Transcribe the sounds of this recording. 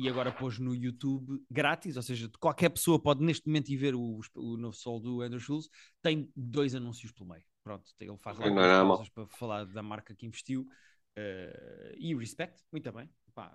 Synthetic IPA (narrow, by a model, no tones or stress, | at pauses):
iɐɣɔɾɐpoʒnujut̪uβɡɾat̪izoseʒɐkwalˠkɛɾpsoɐpɔðneʃt̪̚mumẽnt̪iveɾuʃpunovsɔlˠd̪uɐ̃nd̪ɾuʃulˠʃ | t̪ɐ̃j̃d̪ojzɐnũsiuʃplˠumɐ̰jupɾõnt̪u̥ḛlˠfaʒlˠanɐ̃amãsɐʃpɾɐfɐlˠaɾðɐmaɾkɐkĩvɨʃt̪iw | ɛ | iuʁiʃpɛk̚t̪mũj̃t̪ɐβɐ̃j̃ | pa̰